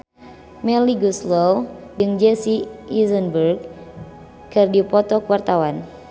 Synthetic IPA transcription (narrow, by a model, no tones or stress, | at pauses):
mɛliɡuslɔwd͡ʒɨŋd͡ʒɛsiizənbərɡ̚ | kɨrdipɔt̪ɔkuwart̪awan